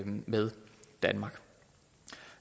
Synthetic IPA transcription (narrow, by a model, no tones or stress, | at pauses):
meðˠd̥ænmɑ̈ɡ̥